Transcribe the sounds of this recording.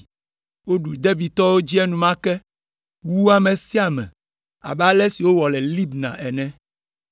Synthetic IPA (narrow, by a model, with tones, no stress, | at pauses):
wo˦ɖu˨d̪ɛ˦bi˨t̪ɔ˦wo˦d͡ʑi˦ɛ˦nũ˨mã˦kɛ˦ | wu˦a˨mɛ̃˨si˦a˨mɛ̰̃˨ | a̰˨bɛ˦a˦lɛ˦si˨wo˦wɔ˨lɛ˨li˦bnã̰˨ʔɛ˨nɛ̃˦